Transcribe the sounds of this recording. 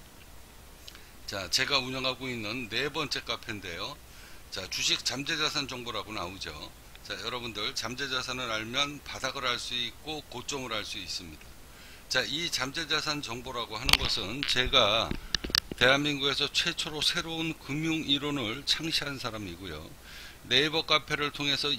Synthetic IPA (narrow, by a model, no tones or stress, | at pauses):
t͡ɕat͡ɕe̞ɡauɲʌŋɦaɡoinːɯnːe̞bʌnt͡ɕ͈e̞k͈apʰende̞jo | t͡ɕat͡ɕuɕʰik̚t͡ɕ͈amd͡ʑe̞d͡ʑasʰand͡ʑʌŋboɾaɡonaud͡ʑo̰ | t͡ɕajʌɾʌbundɯɭt͡ɕamd͡ʑe̞d͡ʑasʰanɯɾaɭmjʌnpadaɡɯɾɦaɭs͈uik̚k͈okot͡ɕ͈ʌŋɯɾhaɭs͈uis͈ɯmɲida | t͡ɕait͡ɕamd͡ʑe̞d͡ʑasʰant͡ɕʌŋboɾaɡohanɯnɡʌsʰɯnt͡ɕe̞ɡa | te̞ɦanminɡuɡesʰʌt͡ɕʰwe̞t͡ɕʰoɾosʰe̞ɾounkɯmjuŋiɾonɯɭt͡ɕʰaŋɕʰiɦansʰaɾamiɡojo̰ | ne̞bʌk͈apʰe̞ɾɯɭtʰoŋe̞sʰʌ